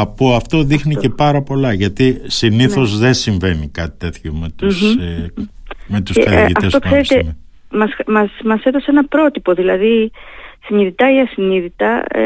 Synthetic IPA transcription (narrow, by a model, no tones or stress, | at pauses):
ɐpoɐft̪o̞ðixnice̞pɐɾɐpo̞lɐʝɐt̪isiniθθo̞zðe̞nsiɱve̞nikɐt̪i̥t̪e̞θçomet̪us | met̪useitɐ̰fest̪okse̞ɾet̪e̞m | mɐsmɐsmɐse̞ðoseenɐpɾo̞t̪ipo̞ðilɐðisiniðit̪ɐiɐsiniðit̪ɐ